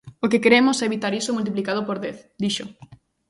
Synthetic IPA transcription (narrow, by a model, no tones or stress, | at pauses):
okekeɾemʊsɛeβit̪aɾisomult̪̬iplikað̞opoɾðeθd̪iʃo